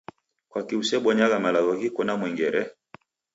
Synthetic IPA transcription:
kwakiusɛɓɔɲaɣamalaɣɔɣikɔnamwɛŋɡɛɾɛ

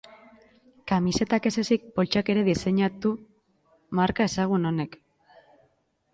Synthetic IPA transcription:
kamise̞t̪ake̞se̞sik̚po̞lt͡ʃake̞ɾe̞ðise̞ɲat̪u | maɾkaesaɣ̞uno̞ne̞k

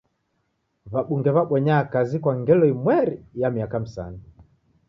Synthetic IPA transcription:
βaɓuŋɡɛβaɓwɛɲaːkazikwaŋɡɛlɔimwɛɾijamiakamisa̰ni

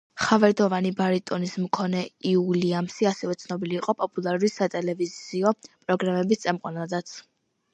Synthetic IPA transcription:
χavɛɾd̪ɔvanibaɾit̪ʼɔnismkʰɔnɛiuliamsiasɛvɛt̪sʰnɔbiliːqʼɔpʼɔpʼulˠaɾulisat̪ʼɛlɛvizziɔpʼɾɔɡɾamɛbist̪sʼɛmqʼɔnad̪at̪sʰ

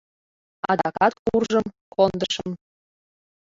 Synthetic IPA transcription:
ɑd̪ɑkɑt̪̚kurʒəm | kʰond̪əʃəm

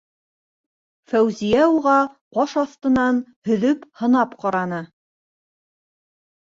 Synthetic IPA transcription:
fæwzijæuʁɑqɑʃɑθt̪ɤ̆nɑnhɵ̆ðɵphɤ̆nɑpqɑɾɑnɤ

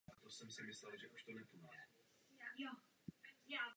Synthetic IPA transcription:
at̪osɛmsɪmɪslɛlʒɛʔuʃt̪onɛp̪oma | j | ja

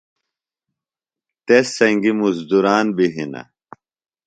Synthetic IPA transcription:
t̪esːɐŋɡimuzd̪uɾaːnbiɦinɐ̰

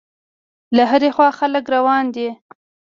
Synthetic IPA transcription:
laɦaɾexwɑxaləkɾawɑnd̪i

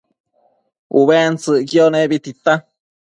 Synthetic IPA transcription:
ṵβent͡sɨʔkjonebit̪it̪a

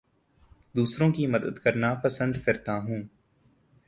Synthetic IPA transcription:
d̪uːsɾõkimɐd̪əd̪kɐɾnapɐsə̃nd̪kɐɾt̪aɦũː

